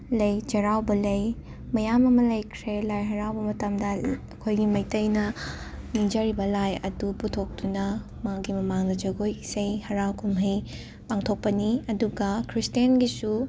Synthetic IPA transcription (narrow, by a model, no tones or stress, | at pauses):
lɐjd͡ʒɐɾawbɐlɐj | mɐjamɐmɐlɐjkʰɾelajɦɐɾawbɐmɐtɐmdɐɐkʰojɡimɐjtɐjnɐ | nid͡ʒɐɾibɐlajɐ̰duputʰok̚tunɐ | maɡimɐmaŋdɐd͡ʒɐɡojisɐjhɐɾawkʰumɦɐj | paŋtʰok̚pɐniɐduɡɐkʰɾistienɡisu